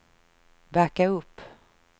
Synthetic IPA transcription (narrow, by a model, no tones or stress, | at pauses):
væɾkaɵpː